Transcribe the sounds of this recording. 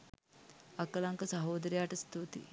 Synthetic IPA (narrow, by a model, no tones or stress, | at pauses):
ɐkɐlɐŋkɐsɐɦoːd̪ɐɾijaːʈɐst̪ut̪ḭ